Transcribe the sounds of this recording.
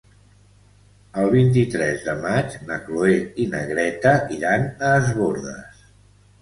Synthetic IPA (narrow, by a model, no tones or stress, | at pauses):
əlˠβint̪̬it̪ɾɛzðəmad͡ʒnəkloeinə̰ɣɾɛt̪əʔiɾanəːzβoɾðə̰s